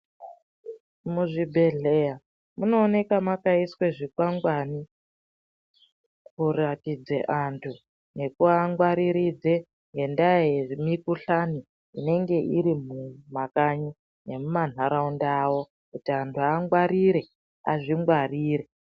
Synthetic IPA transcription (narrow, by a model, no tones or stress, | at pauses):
muʐibʱe̞ɮe̞ja | muno̞ːne̞kamakaiswe̞ʐikwaŋɡwani | kuratid͡zḛʔantʰu | ne̞kuaŋɡwaɾiɾid͡ze̞ | ŋɡe̞ndamikuɬaniː | ne̞ŋɡe̞ʔiɾimumakaɲu | ne̞muman̤aɾaundawo̞ | kutiantʰuaŋɡwaɾiɾe̞ | a̰ʐiŋɡwariːɾe